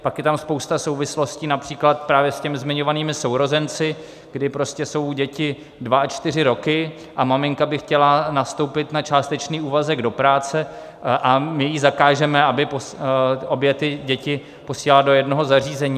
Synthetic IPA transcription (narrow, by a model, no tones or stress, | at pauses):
pakjɛt̪amspowst̪aso̞wvɪslo̞sciːnapr̥iːklat̪̚pɾaːvjɛscɛmɪzmɪɲo̞vaniːmɪsowɾo̞zɛnt͡sɪ | ɡ̥dɪpɾo̞scɛso̞wɟɛcɪ | dvaat͡ʃt̪ɪr̝ɪɾo̞kɪ | ʔamamɪŋkabɪxcɛlanast̪o̞wpɪt̪nat͡ʃaːst̪ɛt͡ʃniːuːvazɛɡdo̞pɾaːt͡sɛ | ʔamɪjiːzakaːʒɛmɛabɪposo̞bjɛt̪ɪɟɛcɪ | po̞siːlaldo̞jɛdno̞ɦo̞zariːzɛɲiː